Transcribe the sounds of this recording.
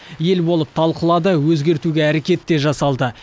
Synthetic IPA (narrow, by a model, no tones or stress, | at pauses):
je̞lbo̞lˠəp̚t̪ʰɑlˠqəlˠɑd̪əwɵzɡʲe̞ɾt̪uɡʲe̞æɾekʲe̞t̪ːe̞ʒɑsɑlˠd̪ə